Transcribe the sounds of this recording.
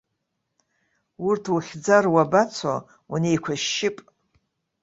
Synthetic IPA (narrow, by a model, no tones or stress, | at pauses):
ʊrtʰuχʲd͡zarwabat͡sʷʰa̰ | unejkʷʰaʃːɪpʼ